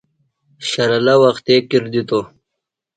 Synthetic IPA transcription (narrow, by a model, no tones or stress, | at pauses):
ɕɐɾalawaxt̪ekiɾd̪it̪o